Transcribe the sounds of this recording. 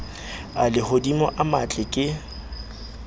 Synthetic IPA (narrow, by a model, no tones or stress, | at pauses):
alɪhodimɔʔamat͡ɬʼɪkʼɪ